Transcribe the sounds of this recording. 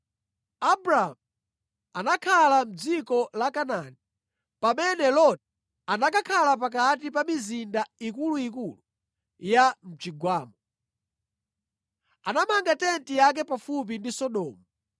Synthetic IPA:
abɾaɦa̰m | anakʰalam̩d͡zikɔlakanani | pamɛnɛlɔt̚ | anakakʰalap̬ak̬at̬ipamizindaikuluikulu | jam̩t͡ʃiɡwaːmɔ | anamaŋɡatɛntijak̬ɛpafup̬indisɔɗɔːmu

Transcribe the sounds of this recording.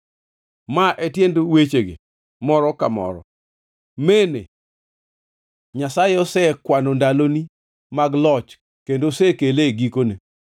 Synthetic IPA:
maʔetjendowet͡ʃeɡḛ | mɔɾɔkamɔ̰ɾɔ̰ | menḛ | ɲasajɔsɛkwanondaloni | maɡlɔt͡ʃ | kendosɛkeleɡikone

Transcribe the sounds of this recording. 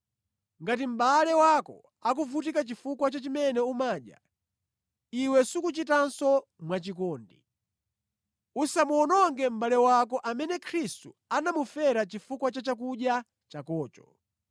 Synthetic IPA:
ŋɡatim̩ɓalɛwakɔ̰ | ak̬uvut̬ikat͡ʃifukwat͡ʃat͡ʃimɛnɛumaːɗja̰ | iwɛsukut͡ʃitansɔmwat͡ʃikɔːndḭ | usamuɔnɔŋɡɛm̩ɓalɛwakɔʔamɛnɛkʰɾistu | anamufɛɾat͡ʃifukwat͡ʃat͡ʃak̬uɗja | t͡ʃakɔːt͡ʃɔ̥

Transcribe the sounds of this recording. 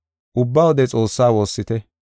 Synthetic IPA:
ʔʊbːɐwɔd̪ɛt͡sʼo̞ːsːaːwo̞ːsːɪt̪ɛ

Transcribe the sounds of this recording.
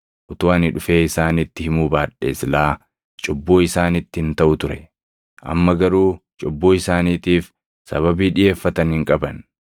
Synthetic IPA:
ʔʊt̪ʊɐnɪᶑʊfe̞ːɪsaːnɪt̪ːɪhɪmuːbaːᶑe̞ːslaː | t͡ʃʼɔbːoːɪsaːnɪt̪ːɪhɪnt̪ɐʔʊt̪ʊɾɛ | ʔɐ̰mːɐɡɐɾuːt͡ʃʼɔbːoːɪsaːniːt̪iːf | sɐ̰βɐbiːᶑɪje̞ːfːɐt̪ɐnhɪŋkʼɐbɐn

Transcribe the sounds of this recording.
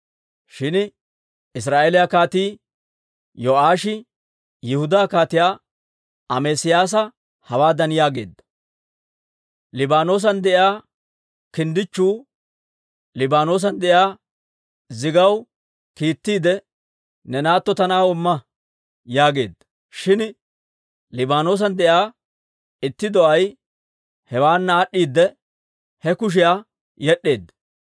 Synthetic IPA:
ʃɪn | ɪs̬ɾaːʔeːlɪjakaːt̪iː | jɔʔaːʃɪ | jɪhʊd̪aːkaːt̪ɪjaː | ɐmesɪjaːs̬ɐ | hɐwaːd̪ɐnjaːɡe̞̰ːd̪ːɐ̥ | lɪbaːno̞ːs̬ɐnd̪ɛʔɪaː | kɪnd̪ɪt͡ʃːuː | lɪbaːno̞ːs̬ɐnd̪ɛʔɪaː | zɪɡɐw | kiːt̪ːiːd̪ɛ | nɛnaːt̪ːɔt̪ɐnaːʊmːɐ | jaːɡe̞ːd̪ːɐ̥ | ʃɪn | lɪbaːno̞ːs̬ɐnd̪ɛjaː | ɪt̪ːɪd̪ɔʔɐj | hɛwaːnːaːɗːiːd̪ːɛ | hɛkʊʃ̬ɪjaː | jɛɗːe̞ːd̪ːɐ̥

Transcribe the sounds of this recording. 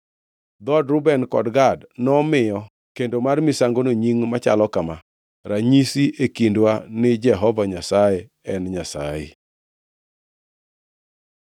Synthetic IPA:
d̪ɔdɾʊbɛnkɔ̰dɡadnɔmɪjɔ | kendomarmɪsaŋɡonoɲiŋmat͡ʃa̰lɔkama | ɾaɲisiekindwanɪd͡ʒɛɦɔvaɲasajɛ | ɛnɲasa̰jḛ

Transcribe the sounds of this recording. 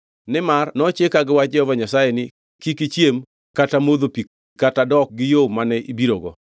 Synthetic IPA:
nɪmarnɔt͡ʃekaɡɪwat͡ʃ̚d͡ʒɛhɔvaɲasajenɪ | kikit͡ʃjem | katamod̪opik̚ | katadɔk̚ɡɪjomanɛibiɾoɡɔ

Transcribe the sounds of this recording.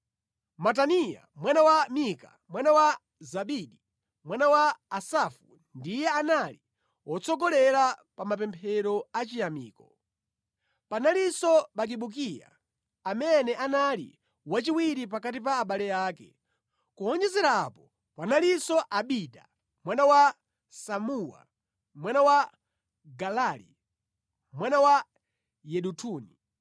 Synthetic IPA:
mat̬anija̰mwanawamika̰ | mwanawa | zaɓiɗi | mwanawaːsafu | ndijɛanali | wɔt͡sʰɔɡɔlɛɾapamap̬ɛmpʰɛɾɔat͡ʃijamḭːkɔ | panalisɔɓak̬iɓuk̬ija̰ | amɛnɛʔanalḭ | wat͡ʃiwiɾip̬akat̬ip̬aːɓalɛjaːkɛ | kuɔnd͡ʒɛzɛɾapɔ | panalisɔʔaɓita | mwanawa | samuwa̰ | mwanawa | ɡalaːlḭ | mwanawa | jɛɗutʰuːni

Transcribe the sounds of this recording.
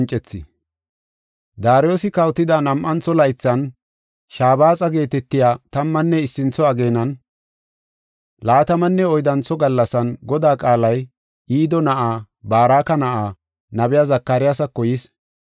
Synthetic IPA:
nt͡ʃʼːɛt͡sːɪ̰ | d̪aːɾɪjoːsɪkɐwt̪ɪd̪anɐmʔɐnt͡sːɔlɐjɪt͡sːɐn | ʃaːbaːt͡sʼɐɡe̞ːt̪ɛt̪ːɪjaːt̪ɐmːɐnːɛɪsːɪnt͡sːɔɐɡe̞ːnɐn | laːt̪ɐmɐnːɛɔjd̪ɐnt͡sːɔɡɐlːɐsɐnɡɔd̪aːkʼaːlɐj | iːd̪ɔnɐʔaː | baːɾaːkɐnɐʔaː | nɐbɛjazɐkːɐɾɪjasɐkːɔjɪs

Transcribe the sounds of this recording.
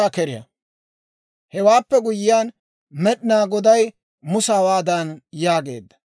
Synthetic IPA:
aːkɛɾɪjɐ̰ | hɛwaːpːɛɡʊjɪjaːn | mɛɗɪnaːɡɔd̪ɐj | mʊsaːwaːd̪ɐnjaːɡe̞̰ːd̪ːɐ̥

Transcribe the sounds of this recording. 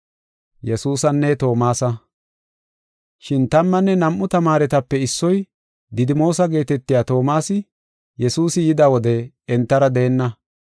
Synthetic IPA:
jɛsuːsɐnːɛt̪o̞ːmaːsɐ | ʃɪnt̪ɐmːɐnːɛnɐmʔːʊt̪ɐmaːɾɛt̪ɐpːɛɪsːɔj | d̪ɪd̪ɪmo̞ːsɐɡe̞ːt̪ɛt̪ːɪjaːt̪o̞ːmaːsɪ | jɛsuːsɪjɪd̪awɔd̪ɛ | ɛnt̪ːɐɾɐd̪e̞ːnːɐ

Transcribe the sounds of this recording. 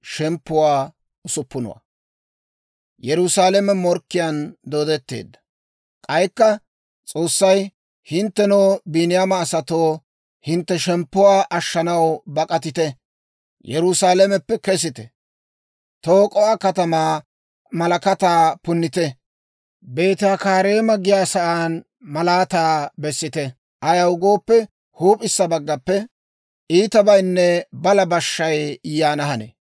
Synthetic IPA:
ʃɛmpːʊwaː | ʊsʊpːʊnɔ̰wa̰ | jɛɾʊsaːlɛmɛmɔɾkːɪjand̪oːd̪ɛt̪ːe̞̰ːd̪ːɐ̥ | kʼɐjkːɐ | t͡sʼo̞ːsːɐj | hɪnt̪ːɛnoːbiːnɪjamɐːsɐt̪oː | hɪnt̪ːɛʃɛmpːʊwaːʔɐʃːɐnɐwbɐkʼɐt̪ɪt̪ɛ | jɛɾʊsaːlɛmɛpːɛkɛs̬ɪt̪ɛ | t̪oːkʼɔwaːkɐt̪ɐmaː | mɐlɐkɐt̪aːpʊnːɪt̪ɛ | be̞ːt̪ɪjaːkaːɾe̞ːmɐɡɪjaːsɐʔaːn | mɐlaːt̪aːbɛsːɪt̪ɛ | ʔɐjɐwʊɡo̞ːpːɛ | huːpʼɪsːɐbɐɡːɐpːɛ | ʔiːt̪ɐbɐjnːɛbɐlɐbɐʃːɐjjaːnɐɦɐnḛ

